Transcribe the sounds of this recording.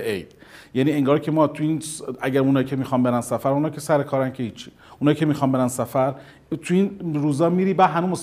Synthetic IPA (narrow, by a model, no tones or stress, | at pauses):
ejd̪̥jæniːeŋɡɒːɾcʰe̞mɒːt̪ʰuiːnsæɟæɾunɒːjcʰemiːxɒmbe̞ɾænsæfæɾmunɒːjkcʰe̞sæɾekʰɒːɾænkʰehiːt͡ʃʰːi | ʔunɒːjkcʰemiːxɒːnbe̞ɾænsæfæɾ | t̪ʰuiːnɾuːzɒːmiːɾiːbæːd̪ɦænuːmos